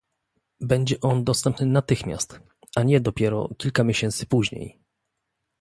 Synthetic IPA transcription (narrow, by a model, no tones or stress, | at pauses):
bɛɲd͡ʑɛʔɔnd̪ɔst̪ɛmpnɘnat̪ɘxmʲja̰st̪ | aɲɛd̪ɔpʲjɛɾɔ̰kʲilkamʲjeɕɛnt̪sɘ̥puʑɲḛj